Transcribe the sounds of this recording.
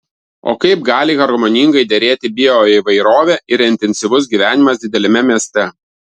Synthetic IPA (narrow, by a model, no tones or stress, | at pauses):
o̰ːkɐɪp̚ɡɑːlʲɪɣɐɾɡomonʲiŋɡɐɪd̪ʲɛɾʲeːt̪ʲɪbʲɪoːiːʋɐɪɾoːʋʲeːʔɪɾɪnʲt̪ʲɛnʲsʲɪʋʊs̬ɡʲiːʋʲæːnʲɪmɐsd̪ʲɪd̪ʲɛlʲɛmʲɛmʲiɛsʲt̪ʲɛ